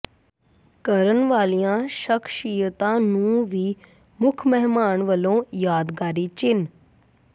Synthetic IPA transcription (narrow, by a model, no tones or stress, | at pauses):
kəɾənʋaːlijãːʃəkʰʃijət̪ãːnũːʋiː | mʊkʰmɛɦmaːɳʋəlõːjaːd̪ɡaːɾiːt͡ʃɪn